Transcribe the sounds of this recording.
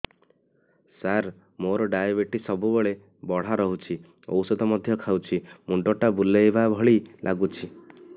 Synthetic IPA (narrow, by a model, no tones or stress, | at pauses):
saɾ | moɾɔɖajabeʈisɔbubeɭe | bɔɽ̤aɾɔɦut͡ʃʰi | o̰wsɔd̪ʱɔmɔd̪ʱjɔkʰawt͡ʃʰimuɳɖɔʈabulːeebabʱɔɭilʔa̰ɡut͡ʃʰi